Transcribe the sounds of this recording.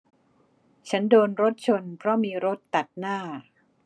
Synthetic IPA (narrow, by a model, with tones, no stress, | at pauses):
t͡ɕʰa˦˥ndoː˧nɾo˦˥t̪̚t͡ɕʰo˧npʰɾɔ˦˥miː˧ɾo˦˥t̪ːa˨˩t̪̚naː˥˩